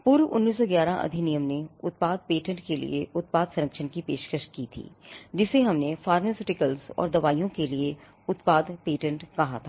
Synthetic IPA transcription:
pʊːɾʋʊ̰nːiːs̬ːɔɡjaːɾãʔɐ̰d̪ʱinijəmneʊt̪̚paːd̪̚peːʈə̃ɳʈkelḭeʊt̪̚paːd̪sɐɾəkʃʰənkipeːʃkəʃkit̪ʰḭːd͡ʒɪseɦɐmnefaːɾmesɪʈɪkəlzɔ̰ːɾd̪ɐʋaːijõkelie | ʊt̪paːd̪peːʈə̃ɳʈkɐɦa̰t̪ʰaː

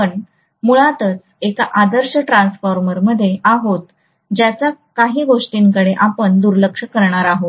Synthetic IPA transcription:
əɳ | muɭat̪ət͡s | ekaʔad̪əɾɕəʈɾansfɔɾməɾməd̪ʱːjeʔaɦot̪ | d͡ʑjat͡ɕjakaɦiːɡoʂʈiːŋkəɽeʔapəɳd̪uɾləkʂəkəɾɳaɾaɦot̪

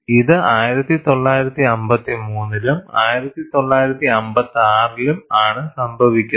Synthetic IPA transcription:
iðɨaːjiɾɐt̪ːit̪o̞ɭːaːjiɾɐt̪ːiɐmbɐt̪ːimuːnːilumaːjiɾɐt̪ːit̪o̞ɭːaːjiɾɐt̪ːiɐmbɐt̪ːaːrilumaːɳɨsɐmbʱɐʋikʲːu

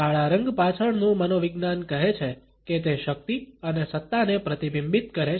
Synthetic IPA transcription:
aɭaɾəŋɡpat͡ʃʰəɳnũmənoʋɪɡnankəɦet͡ʃʰe | ket̪eʃək̚t̪iənesət̪ːanepɾət̪ibimbit̪̚kəɾe

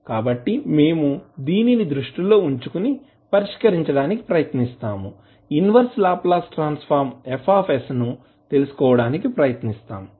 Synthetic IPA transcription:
kaːbɐʈːime̞ːmud̪iːninid̪ɾuʂʈilo̞ːuɲt͡ʃukuni | pɐɾiʂkɐɾiɲt͡ʃɐɽaːniki̥pɾɐjɐt̪nist̪aːmu | inʋɐɾslaːplaːsʈɾaːnspʰaːɾmepʰaːpʰesnu | t̪e̞lusu̥kɔːʋɐɽaːnikipɾɐjɐt̪nist̪a̰ːmu

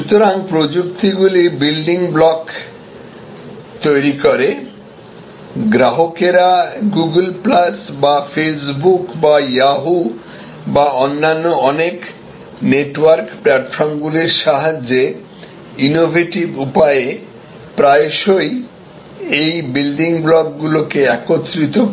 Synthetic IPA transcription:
ʃut̪oɾaŋpɾod͡ʑuk̚t̪iɡulibilɖiŋblɔk | t̪ojɾikoɾe | ɡɾaɦokeɾaɡuɡəlplasbafesbukbajaɦu | baonːanːoɔnek | neʈwaɾkplɛʈfɔɾmɡuleɾʃaɦad͡ʑe | inobʱeʈibupae | pɾaeʃoj | ejbilɖiŋblɔkɡulokeɛkot̪ːɾit̪o

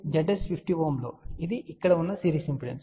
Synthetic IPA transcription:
d͡ʒɐɖespifʈiʋoːmlo̞ːid̪iʔikːɐɽɐunːɐsiːɾiːsimpiɽḛms

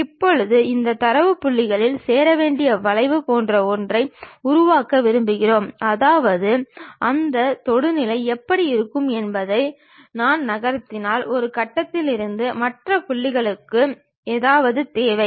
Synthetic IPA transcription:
ɪpːɔɻɯðɯɪnd̪ɐt̪ɐɾɐʋɯpːʊɭːɪɣɐɭɪlseːɾɐʋeːɳɖɪjɐʋɐɭɐɪʋɯpoːndrɐɔndrɐɪʊɾʊʋaːkːɐʋɪɾɯmbɯɣɪroːmɐðaːʋɐðɯʔɐnd̪ɐt̪ɔɽɯnɪlɐɪɛpːɐɽiɪɾɯkːɯmɛnbɐðɐɪ | naːnnɐɣɐɾɐt̪ːɪnaːlɔɾɯkɐʈːɐt̪ːɪlɪɾɯnd̪ɯmɐʈrɐpʊɭːɪɣɐɭɯkːɯ | eːðaːʋɐðɯt̪eːʋɐɪ

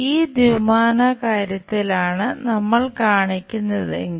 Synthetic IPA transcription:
iːd̪imaːnɐkaːɾjɐt̪ːilaːɳɨnɐmːɐɭkaːɳikʲːunːɐðɨeŋ

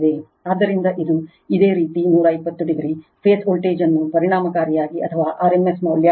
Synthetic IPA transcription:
d̪e | aːd̪ːɐɾind̪ɐʔid̪u | id̪e̞ːɾiːt̪inuːɾɐɐjpːɐt̪ːuɖiɡɾipʰeːsʰoːlʈeːd͡ʒɐnːupɐɾiɽɳaːmɐkaːɾijaːɡiʔɐ̰t̪ʰɐʋaːʔaːɾemesmɐʋljaː

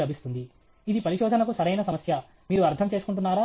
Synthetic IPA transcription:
lɐbʱist̪und̪i | id̪ipɐɾiʃɔːd̪ʱɐnɐkusɐɾɐjnɐsɐmɐsjɐ | miːɾuɐɾt̪ʰɐmt͡ʃeːsu̥kuɳʈ̬unːaːɾaː

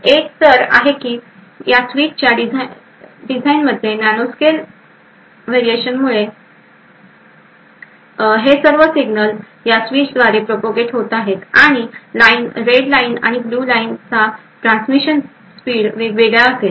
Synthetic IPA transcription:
ek̚t̪əɾa̰ɦekiː | jasʋit͡ɕt͡ɕjaɖi | ɖid͡zainməd̪ʱːjenanoskel | ʋeɾieɕənmuɭe | ɦesəɾʋəsiɡnəl | jasʋiːt͡ɕd̪ʋaɾepɾopoɡeʈɦot̪aɦet̪aɽ̃ilainɾeɽlaina̰ɽ̃ibluːlaint͡sa | ʈɾãnsmiɕən | spiːɽʋeʋeɡɭjaːse

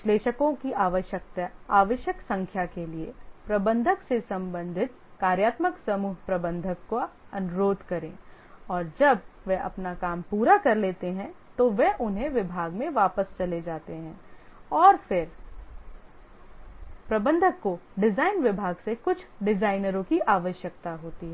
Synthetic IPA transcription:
ʋɪʃleːʃəkõkiʔaːʋəʃjək̚t̪aaːʋəʃjəksɐ̃ŋkʰjakeliḛpɾɐbə̃nd̪ʱəksesɐ̃mbə̃nd̪ʱɪt̪̚ | kaːɾjaːt̪məksɐmuːɦpɾɐbə̃nd̪ʱəkːoɐnʊɾoːd̪ʱkɐɾẽː | ɔːɾd͡ʒɐbʋɛʔɐpnakaːmpuːɾakɐɾleːt̪eɦɛ̃t̪oʋɛʔʊnɦẽʋɪbʱaːɡmẽʋaːpəst͡ʃɐled͡ʒaːt̪eɦɛ̃ːɔːɾfɪɾ | pɾɐbə̃nd̪ʱəkːoɖɪzaːɪnʋɪbʱaːɡsekʊt͡ʃʰɖɪzaːɪnəɾõkiʔaːʋəʃjək̚t̪aɦoːt̪iɦɛ

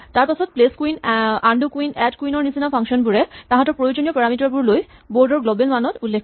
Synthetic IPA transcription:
t̪aɾpasʰot̪̚pleskuinaɳɖukuinɛʈkuinoɾnisinafʰaŋʃɔnbuɾet̪aɦãt̪oɾpɾojod͡ʑoniopɛɾamiʈaɾp̬uɾlojboɾɖoɾɡlobelmanot̪ulːekʰː

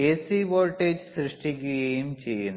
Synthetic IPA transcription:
eːsiʋoːlʈːeːd͡ʑsɾɨʂʈikʲːujeːjumt͡ɕe̞jːunː

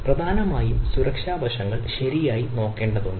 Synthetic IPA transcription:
prɐd̪ʱaːnɐmaːjumsuɾɐkʂaːbɐʂɐŋːɐɭɕɐɾijaːjino̞ːkːeːɳɖɐðuɳɖɨ

